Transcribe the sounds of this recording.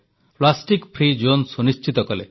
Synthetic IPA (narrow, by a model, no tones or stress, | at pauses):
plasʈikpʰɾid͡ʒonsunist͡ʃit̪ɔkɔle